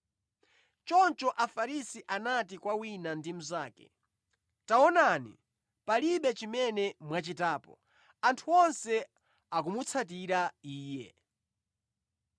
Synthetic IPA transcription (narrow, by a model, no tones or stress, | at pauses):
t͡ʃɔnt͡ʃɔʔafaɾisiʔanat̬ikwawinandimuzaːkɛ̰ | taɔnanḭ | paliɓɛt͡ʃimɛnɛmwat͡ʃitaːpɔ̰ | antʰuɔnsɛ | akumut͡sʰat̬iɾaiːjɛ